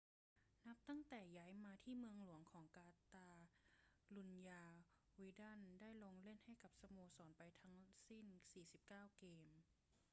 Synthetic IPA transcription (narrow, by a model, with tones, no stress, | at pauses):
na˦˥p̚t̪a˥˩ŋt̪ɛː˨˩jaː˧˥jmaː˧t̪ʰiː˥˩mɯ˧əŋlu˨˩˦əŋkʰɔː˩˦ŋkaː˧t̪aː˧ | lu˧njaː˧ | wiː˧˦da˥˨ndaː˥˩jloː˧ŋle˥˩˨nha˥˩jka˧˦p̚sa˧moː˧sɔː˩˦npa˧jt̪ʰa˦˥ŋsi˥˩˨nsiː˨˩si˨˦p̚kaː˥˩wkeː˧m